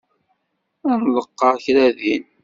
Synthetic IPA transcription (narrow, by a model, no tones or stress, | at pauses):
ænləqːɑɾçɾæðin